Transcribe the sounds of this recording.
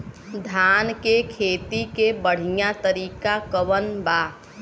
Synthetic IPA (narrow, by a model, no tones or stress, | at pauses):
d̪ʱaːnkekʰeːt̪ikebəɽ̤ijãt̪əɾiːkakəwənbaː